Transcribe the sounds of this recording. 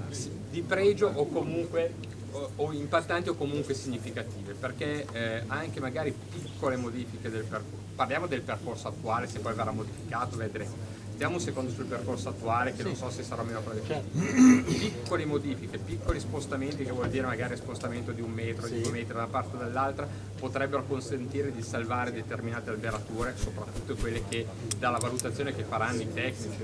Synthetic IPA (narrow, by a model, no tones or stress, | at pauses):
d̪ipɾɛːd͡ʒoʔokːomuŋkwe | oimpat̪ːant̪iokːomuŋkwesiɲːifikat̪iːveperkeaŋkemaɡaːɾipikːolemod̪iːfiked̪elperko | parljaːmod̪elperkorsoat̪ːuaːlesepːɔjveɾamːod̪ifikaːt̪oved̪iɾe | st̪jaːmosekond̪osulperkorsoat̪ːuaːlekenõnsɔsesaɾameːnokozd̪et͡ʃɛt̪ipikːolemod̪iːfikepikːolispost̪ament̪ikevwɔld̪iːɾemaɡaːɾispost̪ament̪od̪iumːɛːt̪ɾod̪imeːt̪ɾod̪aunapart̪ed̪elːalt̪ɾa | pot̪ɾɛbːeɾokonsent̪iːɾed̪isalvaːɾed̪et̪erminaːt̪ealbeɾat̪uːɾesopɾat̪ːut̪ːokwelːeke | d̪alːavalut̪at̪sːjoːnekefːaɾanːoit̪ɛkːnit͡ʃi